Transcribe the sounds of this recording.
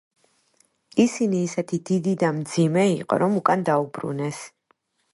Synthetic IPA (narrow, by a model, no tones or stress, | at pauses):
isiniːsɛt̪ʰid̪id̪id̪amd̪zimɛiqʼɔ̰ɾɔmukʼand̪aubɾṵnɛs